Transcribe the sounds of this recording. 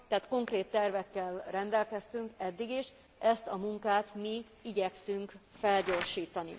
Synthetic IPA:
t̪ɛɦaːt̪ko̞ŋkreːt̪ːɛrvɛkːɛlrɛnd̪ɛlkɛst̪yŋkɛd̪ːiɡiʃ | ʔɛst̪ɒmuŋkaːt̪mi | iɟɛksyŋkfɛlɟo̞ːrʃiːt̪ɒnḭ

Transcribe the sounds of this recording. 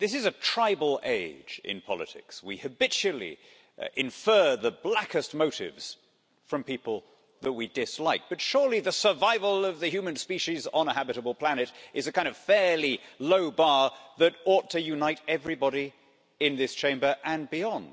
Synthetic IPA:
ðɪs̬ɨzɨtʰɹ̥aɪbl̩ˠḛɪd͡ʒɪ̰̃npʰɑ̰lˠɨ̰tʰɪ̰kswḭhɨbɪt͡ʃʉl̩ˠḭ | ʔɪ̃ɱfɜ˞ðəblækɨst̚moʊɾɪ̰vz̥ | fɹʌ̃mpipl̩ˠ | ðət̚widɪslaɪk̚b̥ʌtʃʊɹliðɨsə˞vaɪvəl̩ˠʌvðɨhjʉmɨ̃nspiʃizn̩əhæbɨɾəbl̩ˠpʰl̥ænɨɾɨzɨkʰãɪ̃ndʌv̥fɛɹliloʊbɑɹðɨɾɔtʰɨjʉnaɪɾɛvɹibɑɾi | ɪ̃nðɪst͡ʃʰẽɪ̃mbə˞ʔɨ̃nbiɑ̃nd̥

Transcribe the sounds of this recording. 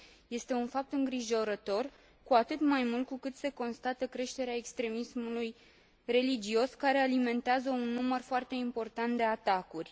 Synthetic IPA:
je̞st̪e̞unfap̚t̪ɨŋɡɾiʒo̞ɾət̪o̞r | kuat̪ɨt̪majmult̪̚kukɨt̪se̞ko̞nst̪at̪əkɾe̞ʃt̪e̞ɾeae̞kst̪ɾe̞mismuluj | re̞lid͡ʒio̞skaɾe̞alime̞nt̪eazəunːumərfoart̪e̞impo̞rt̪ant̪̚d̪e̞at̪akurʲ

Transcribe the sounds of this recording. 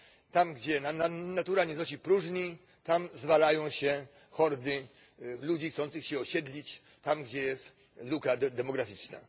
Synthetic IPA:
t̪amɡd͡ʑɛnananat̪uɾaɲɛznɔɕ̬ipɾuʐɲi | t̪amzvalajɔ̃w̃ɕɛ | xɔɾd̪ɘ | lud͡ʑixt̪sɔ̃nt̪sɨxɕɛɔɕɛd̪lʲit͡ɕ | t̪amɡd͡ʑɛjɛst̪ | lukad̪ɛmɔɡɾafʲit͡ʂna̰

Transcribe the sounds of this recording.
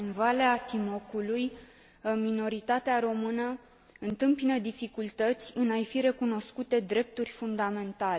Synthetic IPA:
ɨnvaleat̪imo̞kuluj | mino̞ɾit̪at̪eaɾo̞mɨnə | ɨnt̪ɨmpinəd̪ifikult̪ət̪sʲɨnajfiɾe̞kuno̞skut̪e̞d̪ɾe̞p̚t̪urʲfund̪ame̞nt̪ale

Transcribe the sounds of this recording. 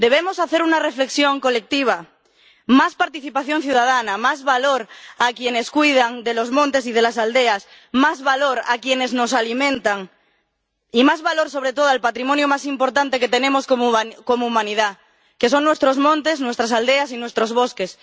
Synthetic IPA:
d̪e̞β̞emosaθeɾunarefle̞ksjõŋko̞lek̚t̪iβ̞a | maspaɾt̪iθipaθjo̞ŋθjuðað̞anamazβaloɾakje̞ne̞skwujð̞aŋd̪elo̞zmõnt̪e̞sið̞e̞lasald̪eas | mazβaloɾakjene̞zno̞salimẽnt̪aŋ | imazβalo̞ɾso̞β̞ɾet̪oð̞oalpat̪ɾimõnjomasimpo̞ɾt̪ant̪e̞ket̪e̞nẽmoskokomoumãniða | kes̬o̞ŋnwe̞st̪ɾozmõnt̪e̞snwest̪ɾas̬ald̪easinwe̞st̪ɾozβoskes

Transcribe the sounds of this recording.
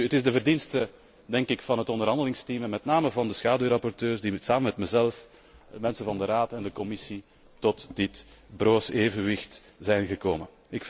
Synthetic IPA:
ətɪzdəvərdinstə | dɛŋkɪkfɑnɦətɔndərɦɑndəlɪŋstiməmɛtnaːməvɑndəsxaːdyɾɑpɔrtøːrzdisaːməmɛtməzɛlf | əmɛnsəvɑndəraːtɛndəkɔmɪsi | tɔtd̥ɪtbroːseːvənʋɪxt | z̥ɛjnɣəkoːmə | ɪk

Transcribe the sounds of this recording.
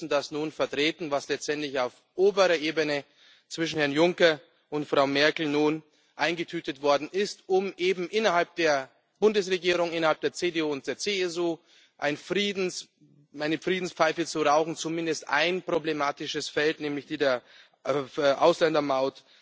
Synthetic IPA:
sn̩d̥asnuːnfɛɐtʁ̥eːtn̩vaslɛt͡stʔɛntlɪçaʊf | ʔoːbəʁɐʔeːbənə | t͡sv̥ɪʃn̩hɛɐnjʊŋkɐ | ʔʊntfʁ̥aʊmɛɐkl̩nuːn | ʔaɪnɡətʰyːtətv̥ɔɐdn̩ɪstʊmʔeːbm̩ʔɪnɐhalp̚d̥eːɐ | b̥ʊndəsʁeɡiːʁ̞ʊŋɪnɐhalp̚d̥eːɐt͡seːdeuːʊnt̚d̥eːɐt͡seɛsuː | ʔaɪnfʁiːdn̩ | aɪnəfʁ̥iːdn̩spfaɪfət͡suʁaʊçn̩t͡sumɪndəstʔa̰ɪnpʁ̥oblemaːtɪʃəsfɛltnɛːmlɪçd̥iːdeːɐ | ʔa̰ʊslɛndɐmaʊt

